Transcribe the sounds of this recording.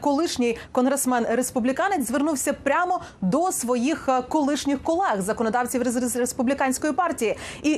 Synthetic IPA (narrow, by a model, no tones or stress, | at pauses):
kɔlˠɪʃnʲɪjkɔnɦɾesmɛnrespublʲikɑnezʋernuwsʲɐpɾʲamɔ | d̪ɔsʋɔjixkɔlˠɪʃnʲɪxkɔlˠɛɣzɐkɔnɔd̪ɑwt͡sʲiwɾespublʲikɑnʲsʲkɔjipɑrtʲijii